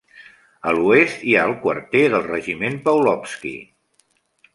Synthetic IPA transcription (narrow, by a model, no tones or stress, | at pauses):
əluest̪iaəlˠkwə̰rt̪ɛðəlˠrəʒimenpəwlɔpskḭ